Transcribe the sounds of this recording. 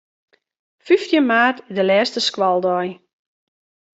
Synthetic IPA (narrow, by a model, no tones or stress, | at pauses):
fyftjəmaːrtɪdəlɛːstəskwɔlˠdɔj